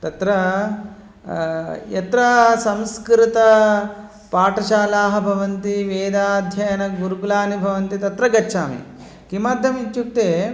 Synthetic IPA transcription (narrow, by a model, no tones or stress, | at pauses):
t̪ɐt̪ɾɐ | jɐt̪ɾɐsɐmskɾɪt̪ɐ | paːʈɐʃaːlaːɦɐ̆bʱɐʋɐnt̪iʋeːd̪aːd̪ʱjɐjɐnɐɡuɾuɡulaːnibʱɐʋɐnt̪it̪ɐt̪ɾɐɡɐt͡ʃːʃʰaːmḭ | kimaːd̪ʱjɐmit͡ʃːuk̚t̪eː